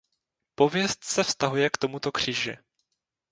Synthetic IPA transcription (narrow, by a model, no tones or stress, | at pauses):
po̞vjɛst̪sɛfst̪aɦujɛkt̪o̞mut̪o̞kr̝̥iːʒɪ̰